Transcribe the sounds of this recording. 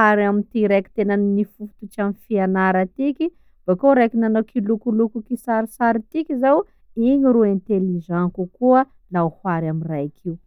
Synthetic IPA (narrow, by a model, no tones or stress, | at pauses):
aɾamint̪iɾeki̥t̪enannifufu̥t̪ut͡ʃamifianaɾat̪iki | b̥akoɾekinanokilukulukukisaɾisaɾit̪ikizaw | iɲiɾuẽnt̪eliʒãkukuə | lauhwaɾaminrajakʰiw